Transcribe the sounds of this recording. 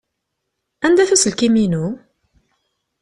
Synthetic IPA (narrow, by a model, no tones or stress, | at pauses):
ænd̪æθæsəlkiminu